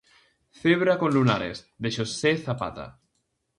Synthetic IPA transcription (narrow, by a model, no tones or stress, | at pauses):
θeβɾakonlunaɾḛz | d̪eʃoseθapa̰t̪a̰